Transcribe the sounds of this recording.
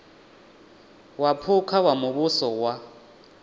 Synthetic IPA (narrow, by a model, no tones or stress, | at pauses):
wapʰʊkʰawamʊβʊsɔwa